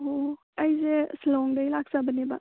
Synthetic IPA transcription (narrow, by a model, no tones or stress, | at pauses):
ɦo | ɐjzeslɔŋdəjlaksabəneba̰